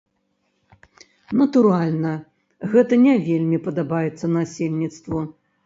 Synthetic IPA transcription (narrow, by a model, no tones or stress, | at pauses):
nɐt̪uɾalʲnɐ | ɣɛt̪ɐnʲɛvʲelʲmʲipɐd̪abajɛt̪sːɐnasʲelʲnʲit̪st̪vu